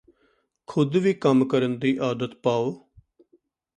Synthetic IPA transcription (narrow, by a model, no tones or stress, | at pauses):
kʰʊd̪ʋiːkəmkəɾənd̪iːʔaːd̪ət̪paːoː